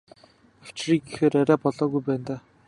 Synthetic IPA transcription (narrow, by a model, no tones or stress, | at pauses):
awt͡ɕriːɡixeːɾaɾʲæːpɔɮɔːɣujpæːnt̪aː